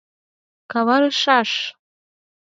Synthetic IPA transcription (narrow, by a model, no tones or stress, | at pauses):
kʰawaɾɨʂaʂ